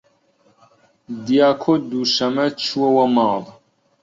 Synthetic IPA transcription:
d̪ijaːkʰod̪uʃɐmɐt͡ʃʰuwɐwɐmaːlˤ

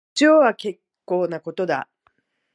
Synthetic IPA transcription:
t͡ɕoːβake̞kːo̞ːnako̞t̪o̞d̪a̰

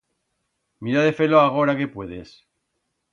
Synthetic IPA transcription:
miɾaðefe̞loaɣ̞o̞ɾake̞pwe̞ðes

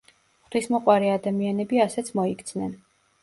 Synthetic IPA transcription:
χt̪ʰwismɔqʼwaɾɛad̪amianɛbiasɛt̪sʰmɔikʰʼt̪sʰnɛn

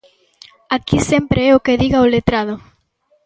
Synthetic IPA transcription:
akisɛmpɾeɛokeðiɣaolet̪ɾaðʊ

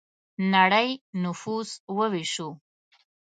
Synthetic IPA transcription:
naɽəjnʊfuswəwiʂu

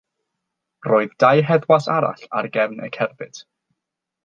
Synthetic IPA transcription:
roːɨðdajɦɛðwasaɾa̰ɬa̰rɡɛvnʔə̰kʰɛrbɨtʰ

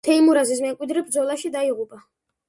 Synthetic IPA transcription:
t̪ʰɛimuɾazis̬mɛmkʼwid̪ɾɛbɾd̪zɔlˠaʃid̪aiʁupʼa

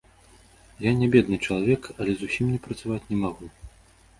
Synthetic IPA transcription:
janʲabʲɛd̪nɨt͡ʂɐlˠavʲɛkɐlʲɛzusʲimnʲɛpɾɐt̪savat͡sʲnʲɛmaɣu

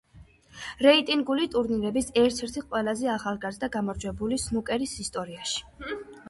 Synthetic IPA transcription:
ɾɛit̪ʼiŋɡulit̪ʼuɾniɾɛbisɛɾt̪ʰɛɾt̪ʰiqʼwɛlˠazɛaχalˠɡaɾzd̪aɡamɔɾd͡ʒwɛbulisnukʼɛɾisist̪ʼɔɾiaʃi̥

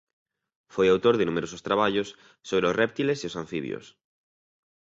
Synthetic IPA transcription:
fojawt̪oɾðɪnumeɾosʊst̪ɾaβ̞aʎʊsː | oβɾeosrʔɛp̚t̪ileseosãɱfiβj̰o̰s

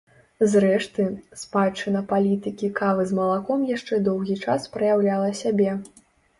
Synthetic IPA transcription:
zɾɛʂt̪ɨspat͡ʂːɨnɐpalʲit̪ɨkʲikavɨzmɐlˠakɔmjaʂt͡ʂɛd̪ɔwɣʲit͡ʂaspɾɐjawlʲalˠɐsʲabʲɛ

